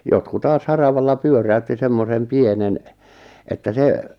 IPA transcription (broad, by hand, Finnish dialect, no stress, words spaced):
jotku tɑːs hɑrɑʋɑlːɑ pyøræytːi semːosem pienen etːæ se